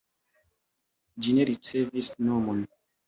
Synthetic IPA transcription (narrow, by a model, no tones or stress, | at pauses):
d͡ʒineɾit͡sevisnomon